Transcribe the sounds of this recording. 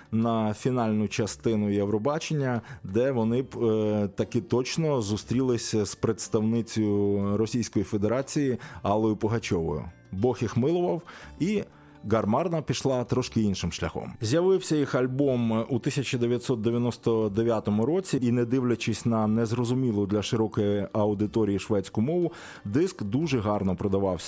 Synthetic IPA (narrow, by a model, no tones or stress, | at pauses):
nɐfʲinɑlʲnʊt͡ʃɐst̪ɪnʊjewɾɔbɑt͡ʃenʲːɐd̪ɛʋɔnɪbt̪ɐkɪt̪ɔt͡ʃnɔzʊst̪ɾʲilˠɪsʲspɾet̪st̪ɐwnɪt͡sʲɔjʊɾɔsʲijsʲkɔjife̞d̪e̞ɾɑt͡sʲijiɑlˠɔjʊpɔɦɐt͡ʃɔʋɔ̰jʊ̰ | bɔxjixmɪlˠʊʋɐwi | ɡɐrmɑrnɐpʲiʃlˠɑt̪ɾɔʃkɪinʃɪmʃlʲɐxɔ̰mzʲjɐʋɪwsʲɐjixɐlʲbɔmut̪ɪsʲɐt͡ʃɐd̪eʋʲjɐt̪ʲsɔt̪̚d̪eʋʲjɐnɔst̪ɔd̪eʋʲjat̪ɔmʊɾɔt͡sʲiinɛd̪ɪwlʲɐt͡ʃɪsʲnɐnɛzɾɔzʊmʲilˠʊd̪lʲɐʃɪɾɔkɔjiɐwd̪ɪt̪ɔɾʲijiʃʋɛt͡sʲkʊmɔʋʊ | d̪ɪskd̪uʒɛɦɑrnɔpɾɔd̪ɐʋɑwsʲɐ